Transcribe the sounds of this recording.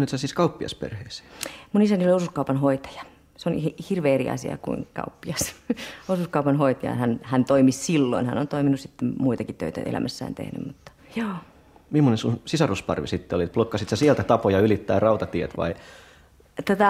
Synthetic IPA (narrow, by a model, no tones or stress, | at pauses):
nit̪sæsiːskɑupːiɑ̰spḛrheise̥munisænioliosuskɑupɑnhoit̪ɑ̥jɑ̥ | seonhhirʋeːeriɑ̰sḭɑ̰kṵiŋkɑ̰upːiɑsosuskɑupɑnhoit̪ɑjɑ̰hænhænt̪oimissilːo̰inhæ̰nont̪oiminussit̪ːemmuit̪ɑkit̪ø̰it̪æ̰ʔḛlæ̰mʔæsːæ̰ːnt̪ḛhny̰mmut̪ːɑ̥joː | mimːonesunsisɑruspɑ̰rʋisit̪ːeolit̪̚plokːɑsit̪sæsielt̪æt̪ɑpojɑylit̪ːæ̰ːrɑut̪ɑt̪iet̪ʋɑ̰i | t̪ot̪ɑ